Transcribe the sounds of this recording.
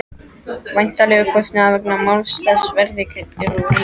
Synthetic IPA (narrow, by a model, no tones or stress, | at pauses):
vajn̥t̪alɛːɣʏkʰɔst̪nʏaðvɛk̚namawlst̪asvɛɾðɪkʰɪt̪ɪɾuː